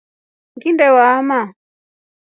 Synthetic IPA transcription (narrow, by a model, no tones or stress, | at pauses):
ŋɡindɛwaːma